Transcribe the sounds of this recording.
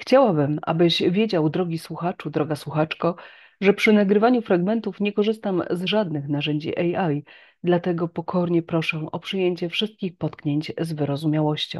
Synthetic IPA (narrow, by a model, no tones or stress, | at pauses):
xt͡ɕawabɘmʔa̰bɘʑvʲjed͡ʑawd̪ɾɔɡʲiswuxat͡ʂud̪ɾɔɡaswuxat͡ʂkɔ | ʐɛpʂɘnaɡɾɘvaɲufɾaɡmɛnt̪ufɲɛkɔʐɘst̪amzʐad̪nɘxnaʐɛɲd͡ʑḭʔɛjaj | d̪lat̪ɛɡɔpɔkʰɔɾɲɛpɾɔʂɛʔɔpʂɘjeɲt͡ɕɛfʂɘst̪̚kʲixpɔt̪kɲeɲt͡ɕzvɘɾɔzumʲjawɔɕt͡ɕɔ̰̃w̃